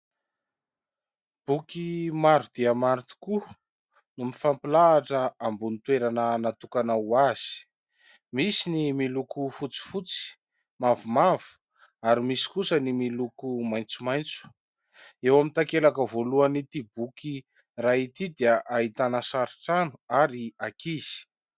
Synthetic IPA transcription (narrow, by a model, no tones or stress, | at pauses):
b̥ukimaɾud̪̥iamaɾit̪u̥ku | numifampilaːʈ͡ʂəambunit̪weɾanənat̪ukanaaz̥i̥ | misinimilukufut͡si̥fut͡si̥ | mavumavu̥ | aɾimisi̥kusənimilukumajnt͡sumajnt͡su̥ | ewamint̪akelakəvoluanit̪ibuki | rait̪id̪iəʔaɦit̪anəsaɾiʈ͡ʂanuaɾiakiz̥i̥